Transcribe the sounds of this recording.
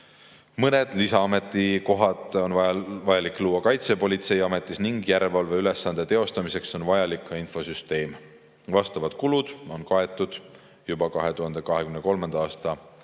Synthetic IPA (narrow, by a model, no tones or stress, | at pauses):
mɤne̞d̪̥lisɑɑme̞t̪ːˑiko̞ɦɑt̪ˑo̞nvɑvɑjɑlikːˑluːwːɑkɑjt̪se̞po̞lʲit̪se̞jɑme̞t̪ːˑisniŋɡ̥jæɾelvɑlve̞yle̞sːɑnd̪̥e̞t̪e̞o̞st̪ɑmise̞kso̞nvɑjɑlikːɑinfo̞syst̪e̞ːm | vɑst̪ɑvɑd̪̥kulud̪̥o̞nkɑe̞t̪ːˑud̪̥ | jubɑkɑɦe̞t̪uɦɑnd̪̥e̞kɑɦe̞kymneko̞lmend̪̥ɑɑːst̪ɑ